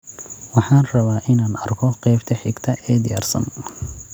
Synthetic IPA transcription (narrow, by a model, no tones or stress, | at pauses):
wɑħɑːnrɐβaːʔɪnaːnɐrkʰɔqɛːbt̪ʰɐħɪɡt̪ʰɐʔɛːd̪ɪjaːrsɐ̰n